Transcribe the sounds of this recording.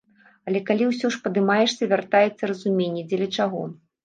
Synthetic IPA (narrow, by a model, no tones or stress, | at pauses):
ɐlʲɛkalʲiwsʲɔʂpɐd̪ɨmajɛʂsʲɐivʲart̪ajɛt̪sːɐrɐzumʲenʲːɛd͡zʲɛlʲɐt͡ʂaɣɔ̰